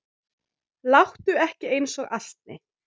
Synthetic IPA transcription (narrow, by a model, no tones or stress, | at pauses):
lawht̪ʏɛhcɪejnsɔɣal̥t̪̚nɪ̰